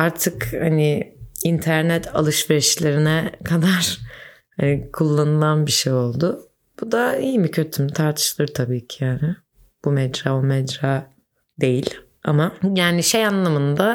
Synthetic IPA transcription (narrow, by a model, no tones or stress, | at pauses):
aɾt̪ʰɯkhanɪint̪ʰæɾnɛt̪ʰa̰lˠɯʃveɾiʃlʲe̞ɾinɛkʰad̪aɾ̥ | hanikʰulˠːanɯlˠanbiʃejo̞lˠd̪ʊ | b̥ud̪aijmicʰø̞t̪ʰymit̪ʰaɾt̪ʰɯ̥ʃlˠɯɾt̪ʰabiːcʰijaːnɪ | b̥umɛd͡ʒɾaːbumɛd͡ʒɾaː | d̪e̞jilʲ | amajaːniʃejanlˠamɯnd̪a